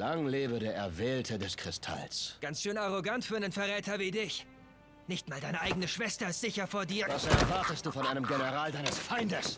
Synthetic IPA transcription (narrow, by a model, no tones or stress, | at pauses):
laŋleːbədeːɐʔɛɐvɛːltʰədɛskʁ̥ɪstʰa̰lsɡ̥ant͡sʃøːnaʁoɡantfyːɐnənfɛɐʁɛːtɐviːdɪç | nɪçtmaːldaɪnəʔaɪɡənəʃv̥ɛstɐɪstz̥ɪçɐfoːɐdiːɐvasɛɐvaɐtəstd̥uːfɔnʔaɪnəmɡenəʁaːldaɪnəsfaɪndəs